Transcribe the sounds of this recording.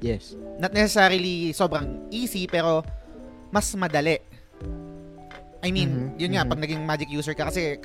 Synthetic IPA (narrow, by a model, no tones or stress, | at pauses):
jɛsnɐt̪̚nɛsɛsaɾɪliso̞ːbɾɐŋʔiːsipɛːɾo̞ | mɐsmɐd̪ɐlɛʔ | ʔɐjminjʊnŋapɐɡ̚nɐɡɪŋmaːd͡ʒɪk̚juːsɛɹkɐkɐsɛ